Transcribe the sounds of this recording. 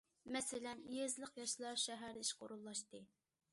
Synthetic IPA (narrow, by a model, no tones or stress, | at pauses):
mɛsɪlɛnjezlˠəqjɑʃlˠɑɾʃɛɦæɾiʃqʰo̰ɾulˠːɑʃt̪ɨ